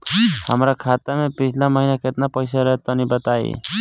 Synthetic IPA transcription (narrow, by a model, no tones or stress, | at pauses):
həmɾakʰat̪amepit͡ʃʰlãmʌɦinaket̪napʌjsaɾʌɦet̪ʌnibət̪aḭ